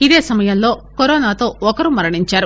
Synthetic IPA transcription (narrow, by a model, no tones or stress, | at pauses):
id̪e̞ːsɐmɐjɐmlo̞ːkoɾɔːnaːt̪o̞ːɔkɐɾumɐɾɐɳiɲt͡ʃaːɾu